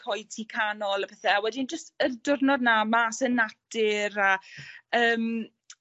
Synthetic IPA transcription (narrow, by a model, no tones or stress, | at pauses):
ɔjtʰikʰanɔlˠapʰɛθɛawɛdind͡ʒəstərdʊrnɔdnamasənadɪɾaəːm